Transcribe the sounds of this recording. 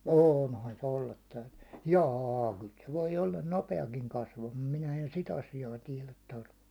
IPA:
oːnhɑn se olːɑt tæytyn̥ːẙ jɑː kyl se ʋoi olːɑn nopeɑkiŋ kɑsʋɑmɑ̥ː minæ en sit ɑsijɑː tiɛlæt tɑrkːɑː

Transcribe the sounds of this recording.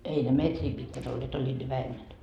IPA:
ei ne metriː pitkæt olːeːt olʲːiːd̥ ne ʋæhemːæn

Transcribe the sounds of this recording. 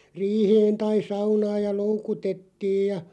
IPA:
riːheːn tɑi sɑunɑːj jɑ loukutetːiːj jɑ

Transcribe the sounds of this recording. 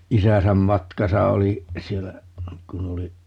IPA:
isæsæm mɑtkɑsɑ oli sielːæ kun oli

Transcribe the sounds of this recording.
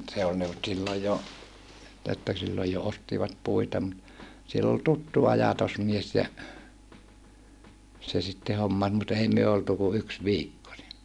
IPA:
se ol ne ol silːoj jo etːæ silːoj jo ostiʋɑt puitɑ mut sielː ol tutːu ɑjɑtosmies jɑ se sitːe homːɑs mut ei myø oltu ku yks ʋiːkːo ni

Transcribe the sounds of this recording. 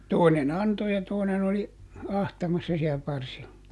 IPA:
toˑinen ɑnto jɑ toˑinen oli ɑhtɑmɑsːɑ siæ pɑrsilːɑ

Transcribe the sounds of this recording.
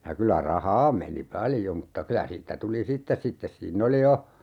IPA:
jɑ kylæ rɑhɑː meni pɑljo mutːɑ kylæ siːtːæ tuli sitːes sitːes siːnː oli jo

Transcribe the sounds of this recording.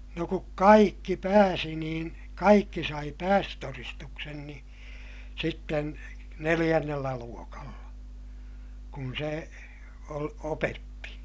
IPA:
no kuk kɑikːi pæːsi niːn kɑikːi sɑi pæːstøtoristuksen ni sitːen nelij̆ænːelːæ luokɑlːɑ kun se ol opetːi

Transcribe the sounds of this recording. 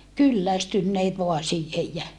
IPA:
kylːæstynːeːt ʋoɑ siːhej jæ

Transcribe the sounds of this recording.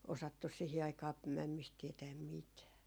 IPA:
osɑtːus sihi ɑikɑː mæmːist tiɛtæːm mitæː

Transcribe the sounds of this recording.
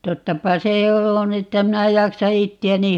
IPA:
totːɑpɑ se on etːæ minæ jɑksɑ itːiæni

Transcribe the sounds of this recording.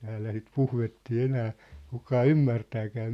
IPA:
tæːlːæ sit puhʋetːiː enæː kukɑː ymːærtæːkæː

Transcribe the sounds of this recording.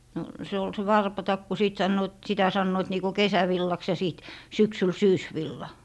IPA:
no se ol se wɑrpɑtɑkːu siˑt sɑnːoːt sitæ sɑnːoit niːko kesæʋilːɑks jɑ siˑt syksyl syːsʋilːɑ

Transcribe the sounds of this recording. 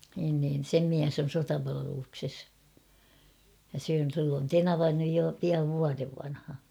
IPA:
niːn niːn̞ sem miæs on̞ sotɑpɑlɑʋelukses jɑ silː on tenɑʋɑ nyj jo piɑʋ ʋuɑreʋ ʋɑnhɑ

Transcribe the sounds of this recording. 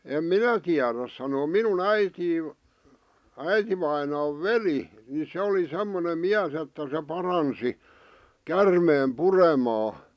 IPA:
em minæ tiæræs sɑnoː minun æitiː æitiʋɑinɑːʋ̆ ʋeli ni se oli semːonem miæs etːæ se pɑrɑnsi kærmeːm puremɑː

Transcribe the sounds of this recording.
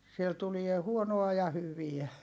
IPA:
siel tulie huonoɑ jɑ hyʋiæ

